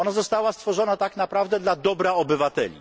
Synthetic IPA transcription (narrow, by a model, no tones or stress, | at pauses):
ɔnazɔst̪awast̪fɔʐɔnat̪aknapɾavd̪ɛd̪lad̪ɔbɾaɔbɘvat̪ɛ̰lʲḭ